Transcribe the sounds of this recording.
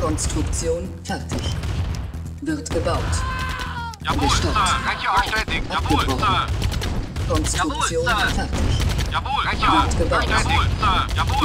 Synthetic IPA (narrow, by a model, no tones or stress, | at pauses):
kʰɔnstʁ̥ʊkt͡sjoːn | fɛʁtʰɪç | vɪɐtɡ̥əbaʊt | ʔnɛʃtat | apɡ̥əbʁɔχn | kʰɔnstʊkt͡sjoːnfɛʁtɪç | vɪtɡ̥əbaʊt